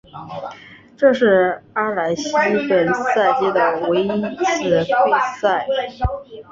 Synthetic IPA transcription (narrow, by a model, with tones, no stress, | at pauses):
ʈ͡ʂɤ˥˧ʂɻ̩˥˩a˥la˧˥ɪɕi˥i˧˥pə˨˩nsa˥˩ɪt͡ɕi˥d̪ə˩we˧˥ɪi˥t͡sʰɹ̩˥˩ke˥sa˥˩ɪ